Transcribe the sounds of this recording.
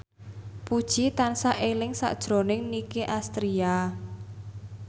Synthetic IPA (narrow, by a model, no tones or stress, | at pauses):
pud̥ʒ̥it̪ansaʔelɪŋsa̰ʔd̥ʒ̥ɾo̤nɪŋnikeʔast̪ɾia